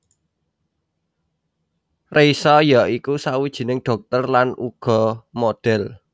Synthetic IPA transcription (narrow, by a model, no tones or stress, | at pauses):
rʔesɔjaikusawid̥ʒ̥i̤nɪŋɖ̥ɔ̤k̚t̪ɔrlanuɡ̥ɔ̤moɖ̥ɛl